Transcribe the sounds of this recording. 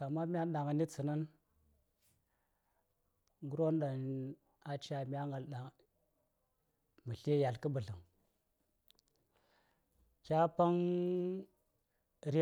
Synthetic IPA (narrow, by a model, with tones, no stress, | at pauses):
a˨mːa˦mʲ˦a˦ɗa˨ŋa˨ni˦t͡sə˨nə˦n | ŋɡu˦ɾo˦nɗa˨n | a˨t͡ʃa˨mʲ˦a˦ŋɡa˨lɗa˨ | mə˨ɬe˦ja˨lkə˦bə˨ɮə˨ŋ | kʲa˦pa˦ŋ | ɾi˦